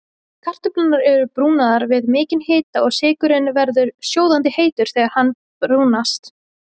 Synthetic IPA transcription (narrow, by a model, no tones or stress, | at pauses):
kʰar̥t̪ʏplanːaɾɛɾʏpɾuːnaðaɾvɪðmɪːcɪnheːt̪aɔɣsɪːkʏɾɪnvɛɾðʏɾ̥sjoːwðant̪ɪheːjt̪ʏɾ̥θɛːɣaɾhanː | pɾuːnast̪